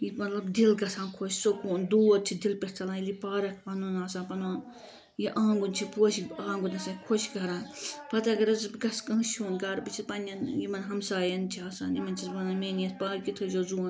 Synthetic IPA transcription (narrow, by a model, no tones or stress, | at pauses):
jimɐt̪lɐbd̪ilɡɐsaːnkʰoʃsokuːnd̪uːt̪̚t͡ʃʰid̪ilpʲeɾt͡sʰɐlaːilipaːɾɐk̚ʰpɐnunaːsãːnpɐnoː | jiʔãːŋɡunʲt͡ʃʰipoːʃiaːŋɡunʲɐsaːkʰoʃɡɐɾaːnpɐt̪aɡɐɾɐzɨbɡɐskɐŋʃuːnkaːɾpit͡ʃʰipɐnʲɐnjimɐnɦɐmsaːjɐnt͡ʃʰiaːsa̰ːnjimɐnʲt͡ʃʰizpɐnɐmeːnɐspaːɾkit̪ʰod͡ʒozuːn